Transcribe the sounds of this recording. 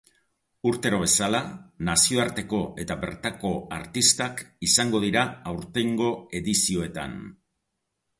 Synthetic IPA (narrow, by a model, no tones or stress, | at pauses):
uɾt̪e̞ɾo̞β̞e̞salanasio̞aɾt̪e̞ko̞ʔe̞t̪aβe̞̰ɾt̪ako̞a̰ɾt̪ist̪akisaŋɡo̞ðiɾaawɾt̪e̞ŋɡo̞e̞ðisio̞e̞t̪a̰n